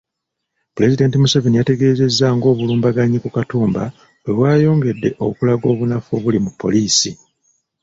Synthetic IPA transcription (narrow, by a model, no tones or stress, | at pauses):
pule̞zide̞ːntimusavinijate̞ɡe̞ːze̞zːaŋɡo̞ːβuluːmbaɡaɲikukatuːmba | wweβwaːjo̞ːŋɡe̞dːe̞̰ʔo̞kulaɡo̞ːβunafoβulimupːo̞̰liːsi